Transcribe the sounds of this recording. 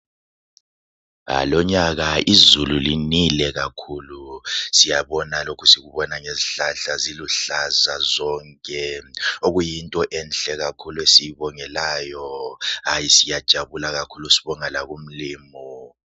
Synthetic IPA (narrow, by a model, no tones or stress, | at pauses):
a̰lɔɲaɣaʔizululinilɛɣakʰulusijaβɔnalokʰusiɣuβɔnaŋeziɬaɬaziluɬazazɔŋkʼɛoɣujintʼɔʔɛnɬɛɣakʰuluesijiβɔŋɛlaːjɔajisijad̥ʒ̥ʱaβulaɣakʰulusiβɔŋalaɣum̩liːmɔ